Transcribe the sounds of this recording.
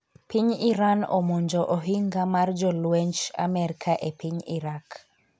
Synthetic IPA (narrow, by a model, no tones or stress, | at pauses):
piɲiɾanɔ̰moɲd͡ʒɔʔɔɦiŋɡamard͡ʒɔlwɛɲt͡ʃa̰mɛɾkʰaʔepiɲiɾak